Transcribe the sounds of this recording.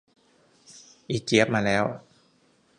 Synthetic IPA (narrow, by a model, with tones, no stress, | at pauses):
ʔiː˨˩t̪̚t͡ɕi˦˥p̚maː˧lɛː˦˥w